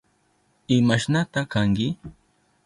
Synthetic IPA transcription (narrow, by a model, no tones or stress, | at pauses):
ɪmaʃnat̪akaŋkɪ